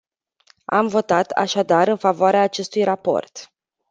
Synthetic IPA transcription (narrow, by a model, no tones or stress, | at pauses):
a̰mvo̞t̪at̪a̰ʃad̪aɾɨnfavoaɾeaːt͡ʃe̞st̪ujrapo̞̰rt̪